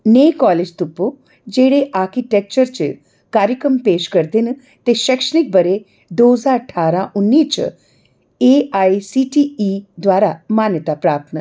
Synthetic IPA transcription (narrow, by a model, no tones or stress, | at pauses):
neːkɔːleːd͡ʒt̪ʊpːo | d͡ʒeːɽeʔaːɾkiʈɛːk̚t͡ʃəɾt͡ʃ | kaːɾjəkɾəmpeːʃkəɾd̪ɪn | t̪eʃɛkʃənɪk̚bəɾe | d̪oːəzaːɾəʈʰaːɾãʔʊnːiːt͡ʃ | eːaːisiːʈiːiːd̪waːɾamaːnjət̪apɾaːp̚t̪n